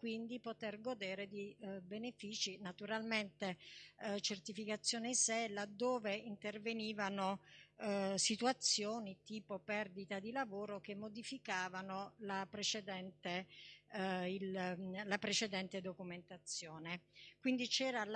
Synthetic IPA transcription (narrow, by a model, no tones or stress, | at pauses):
kwind̪ipot̪erɡod̪eːɾed̪ibenefiːt͡ʃinat̪uɾalment̪e | t͡ʃert̪ifikat̪sːjoːnesɛlad̪ːoːveint̪erveniːvano | sit̪uat̪sːjoːnit̪iːpopɛrd̪it̪ad̪ilavoːɾokemːod̪ifikaːvanolapɾet͡ʃed̪ɛnt̪e | illapɾet͡ʃed̪ɛnt̪ed̪okument̪at̪sːjoːnekwind̪it͡ʃɛːɾal